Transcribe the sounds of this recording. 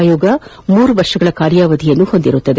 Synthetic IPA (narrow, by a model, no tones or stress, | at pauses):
joːɡɐ | muːɾuʋɐɾʂɐɡɐɭɐkaːɾjaːʋɐd̪ijɐnːuhond̪iɾut̪ːɐd̪e